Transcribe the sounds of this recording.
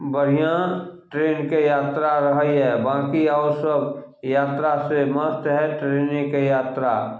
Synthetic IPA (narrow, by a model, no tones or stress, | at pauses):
bəɽ̤ijãʈɾeːnkejaːt̪ɾaɾəɦiɦɛbãːkiɔːɾsəb | jaːt̪ɾasemət̪ɦɛʈɾeːnekejaːt̪ɾa